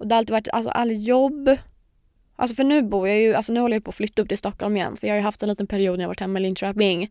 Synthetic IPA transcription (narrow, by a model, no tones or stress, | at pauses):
ʔɔd̪ɛɾalt̪iːvaʈːʔa̰sɔ̰ʔa̰lːjɔbː | ʔa̰ls̬ɔfœɳʉ̟ːbuːjɑjɵalsɔnʉːɔlːəjajʏpʰɔːflʏt̪ːaɵp̚ːt̪ɪlst̪ɔkːɔlmɪjɛ̰nːfœɾjɑːhaɾjʉhaft̪ɛnliːt̪ənpʰæɾɪuːd̪æjɑava̰ʈːhɛmːaɪlɪnt̪ɾɛːpɪŋ